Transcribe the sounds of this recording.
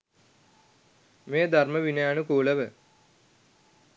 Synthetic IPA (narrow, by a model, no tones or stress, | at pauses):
meːd̪ʱarməʋinəjanukuːləʋə